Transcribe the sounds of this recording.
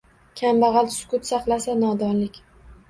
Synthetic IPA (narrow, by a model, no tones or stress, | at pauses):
kʲʰambaʁɑlˠsʊ̥kʊt̪sɑqlˠasanɒd̪ɒnlɪkʲ